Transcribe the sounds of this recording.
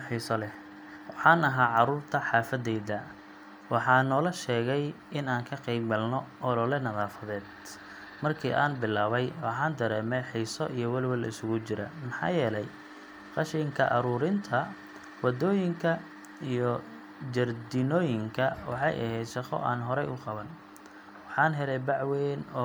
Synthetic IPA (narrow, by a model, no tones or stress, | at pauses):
ħiːsɔlɛ | wɑħɑːnɐɦaːʕɑɾuːrt̪ʰɐħɑːfɐd̪ɛjðɐ | wɑħɑːnɔːlɐʃɛːɣɛj | ɪnaːŋkʰɐqɛjbɡɐlnɔʔɔlɔlɛnɐðaːfɐðɛːd̪ | mɐrkʰḭːʔa̰ːnbɪlːaːβɛjwɑħɑːnd̪ɐɾɛːmɛjħiːsɔʔijɔwɐlwɐlɪsʊɣʊt͡ʃɪɾɐ̰mɑħɑ̰ːjɛːlɛj | qɑʃɪŋkʰɐʔɑɾuːɾɪnt̪ʰɐ | wɑd̪ɔːjɪŋkʰɐ | ijɔ | d͡ʒɐrd̪ɪnɔːjɪŋkʰɐwɑ̰ħɑ̰jʔɐ̰hɛjd̪ʃɑχɔ̰ʔaːnɦɔɾɛjʊqɑβɐn | wɑħɑːnɦɛlɛjbɑʕweːnɔ